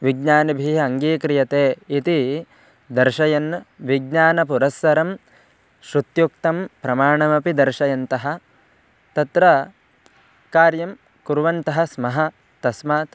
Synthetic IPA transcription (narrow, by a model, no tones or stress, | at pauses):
ʋiɡɲaːnibʱiːɐŋɡiːkɾijɐt̪eːit̪i | d̪ɐɾʃɐjɐnːʋiɡ̚ɲaːnɐpuɾɐsːɐɾɐm | ʃɾut̪jukt̪ɐmpɾɐmaːɳɐmɐpid̪ɐɾʃɐjɐnt̪ɐɦɐ̆ | t̪ɐt̪ɾɐ | kaːɾjɐm | kuɾʋɐnt̪ɐɦɐ̆smɐɦɐ | t̪ɐsmɐːt̪